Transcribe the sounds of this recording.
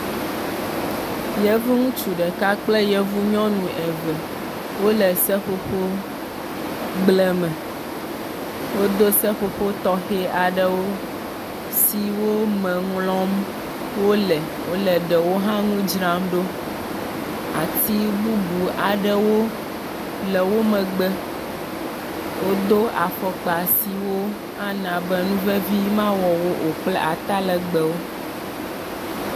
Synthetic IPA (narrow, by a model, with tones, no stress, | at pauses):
jɛ˦vu˦ŋũ˦t͡ʃu˨ɖɛ˨ka˦k͡plɛ˦jɛ˦vu˦ɲɔ̃˦nũ˨ʔɛ˨vɛ˨ | wo˦lɛ˨sɛ˦ɸo˦ɸo˦ | ɡ͡blɛ˦mɛ̃˨ | wo˦d̪o˦sɛ˦ɸo˨ɸo˦t̪ɔ˦xɛ˦a˨ɖɛ˦wo˦ | si˦wo˦mɛ̃˨ŋlɔ̃˦m | wo˦lɛ˨ | wo˦lə˨ɖə˨wo˦ɦã˦ŋũ˦d͡ʒɾã˦mɖo˦ | a̰˨ti˦bu˦bu˨a˨ɖə˦wo˦ | lɛ˨wo˦mə̃˨ɡ͡bɛ˦ | wo˦d̪o˦ʔa˨fɔ˨k͡pa˨si˨wo˦ | a˦nã˨bə˦nũ˦vɛ˦vi˦mã˦wɔ˨wo˦ʔo˨k͡plɛ˦ʔa˨t̪a˦lə˨ɡ͡bə˨wo˦